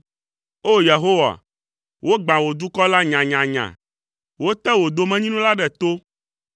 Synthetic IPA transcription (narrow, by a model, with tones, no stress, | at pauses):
o˦je˨ɦo˦wa̰˨ | wo˦ɡ͡bã˨wo˨d̪u˦kɔ˦la˦ɲã˨ɲã˨ɲã̰˨ | wo˦t̪ɛ˦wo˨d̪o˨mɛ̃˦ɲĩ˦nũ˦la˦ɖɛ˨t̪o˦